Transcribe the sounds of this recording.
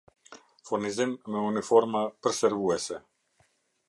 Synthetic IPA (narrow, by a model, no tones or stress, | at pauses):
fuɾnizimːɛunifɔɾmapəɾsɛɾvuɛsɛ